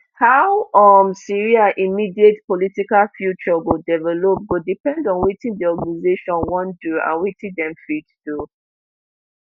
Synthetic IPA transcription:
hawɔmsiɹiaʔimidietpɔlitikalfjut͡ʃɔɡodɛvɛlop̚ɡodipɛ̃ndɔ̃nwitĩndiɔɡanizeʃɔ̃nwɔ̃nduã̰nwitĩdɛ̃mfitd̥u

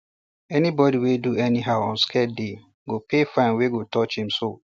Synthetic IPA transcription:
ɛnibɔdiweduɛnĩɦaʊɔ̃nskʰɛt̚de | ɡopʰefãɪ̃nweɡotʰɔt͡ʃhĩmso

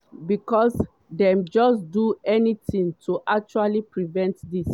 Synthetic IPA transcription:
bikɔs | dɛ̃md͡ʒɔsduɛnitĩŋtʰuʔak̚t͡ʃualipɹivɛ̃ntdis

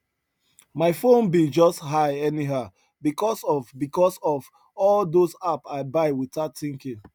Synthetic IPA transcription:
maɪfõnbid͡ʒɔstɦaɪɛniɦaʊ | bikɔsɔvbikɔsɔv | ɔldosapaɪbaɪwitatĩŋkĩ

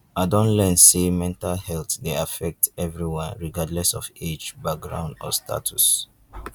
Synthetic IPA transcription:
aɪdõntlɛnsemɛ̃ntalhɛltdeafɛk̚tɛvɹiwãnɹiɡadlɛsɔfed͡ʒbak̚ɡɹã̰ʊndɔ̰stʰa̰tʰus

